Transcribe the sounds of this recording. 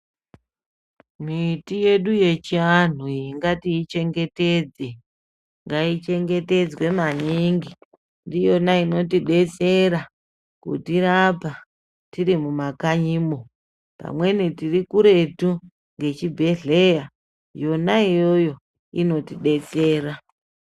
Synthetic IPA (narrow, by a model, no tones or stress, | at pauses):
mitije̞ɗuje̞t͡ʃian̤uiŋɡatiːt͡ʃe̞ŋɡe̞ted͡ze | ŋɡait͡ʃe̞ŋɡe̞te̞d͡zwe̞maniŋɡi | ndijo̞naino̞tiɗe̞t͡se̞ɾa | kṵtiɾapa | tiɾimumakaɲiːmo̞ | pa̰mwe̞nitirikuɾe̞tu | ŋɡe̞t͡ʃibʱe̞ɮe̞ja | jo̞naijo̞jo̞ | ino̞tiɗe̞t͡se̞ːra